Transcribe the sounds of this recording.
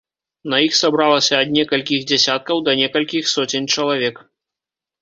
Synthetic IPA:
nɐjixsabɾalˠɐsʲɐːd̪nʲɛkɐlʲkʲiɣd͡zʲɛsʲat̪̚kɐwd̪ɐnʲɛkɐlʲkʲixsɔt͡sʲɪnʲt͡ʂɐlˠavʲɛk

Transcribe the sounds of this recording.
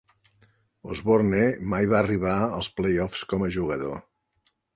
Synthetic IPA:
ozβornemajβaːriβ̞aəlˠsplejɔfskɔməʒuɣəðo

